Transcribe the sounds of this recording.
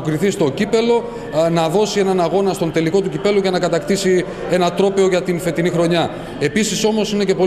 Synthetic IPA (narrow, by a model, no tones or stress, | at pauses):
kɾiθist̪o̞cipe̞lo̞ | nɐðo̞sie̞nɐnɐɣo̞nɐst̪o̞nt̪e̞liko̞t̪̬ucipe̞luʝɐnɐkɐt̪ɐkt̪isi | e̞nɐt̪ɾo̞pe̞oʝɐt̪infe̞t̪inixɾo̞ɲɐ | e̞pisiso̞mo̞sine̞ce̞po̞